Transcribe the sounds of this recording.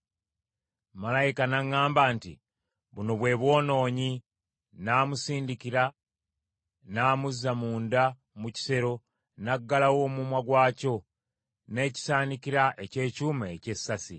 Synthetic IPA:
malajikanaŋːaːmbantḭ | βuno̞βwe̞ːβwo̞ːno̞ːɲi | naːmusiːndikiɾa | naːmuzːamuːnda | muci̥se̞ɾo̞ | naɡːalawo̞mumwaɡwaːco̞ | ne̞ːci̥saːnikiɾaʔe̞ce̞ːcuːmaece̞sːasi

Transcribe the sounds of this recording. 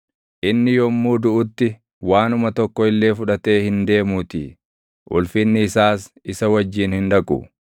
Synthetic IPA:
ʔɪnːɪjɔmːuːd̪ʊʔʊt̪ːɪ | waːnʊmɐt̪ɔkːɔɪlːe̞ːfʊᶑɐt̪e̞ːhɪnd̪e̞ːmuːt̪ḭ | ʔʊ̰lfɪnːɪːsaːs | ɪsɐwɐd͡ʒːiːnhɪnᶑɐkʼʊ̰

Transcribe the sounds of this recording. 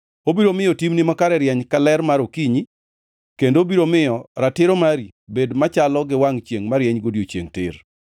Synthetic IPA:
obiɾomɪjɔtimnimakaɾɛɾjɛɲkalɛrmaɾokiɲi | kendoːbiɾomɪjɔɾatɪɾomaɾibedmat͡ʃalɔɡɪwaŋt͡ʃjeŋmaɾjɛɲɡodiot͡ʃjḛŋtɪ̰r

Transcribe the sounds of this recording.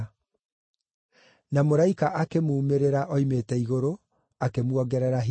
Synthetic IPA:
namoɾaikaʔakemuːmeɾeɾaʔɔimeːtɛiɣoɾo | akemwɔɡɛɾɛɾaɦ

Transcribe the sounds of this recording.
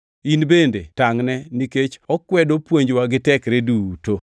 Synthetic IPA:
inbendetaŋnɛniket͡ʃɔkwɛdopwoɲd͡ʒwaɡɪtɛkɾeduto

